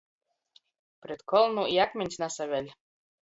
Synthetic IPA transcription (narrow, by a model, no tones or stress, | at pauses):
pɾʲet̪kʰɔlˠnuiakmʲɛnʲsʲnasavʲelʲ